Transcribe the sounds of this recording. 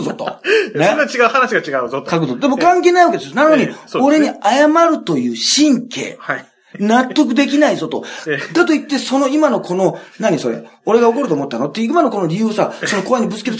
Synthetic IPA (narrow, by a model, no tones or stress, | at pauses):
zot̪onet͡ɕiɡaɯ̟hanaɕiɡat͡ɕiɡaɯzokakɯ̟zot̪od̪e̞mo̞kãŋkeːnaiβakeeonanoɲ̟ioo̞ɾe̞ɲ̟iajamaɾɯ̟t̪o̞jɯ̟ːɕĩŋkʰe̞̰ː | nat̪ːo̞k̬ɯ̟d̪e̞k̬ʲinaizo̞t̪o̞̰d̪at̪o̞it̪ːe̞so̞no̞imano̞kʰo̞no̞naɲ̟iso̞ɾe̞̰o̞ɾe̞ɡao̞ko̞ɾɯ̟oːmo̞t̪ːanot̪ːejɯimano̞ko̞noɾʲijɯ̟ːsaso̞noko̞aɲ̟ibɯ̟t͡sɨ̥ke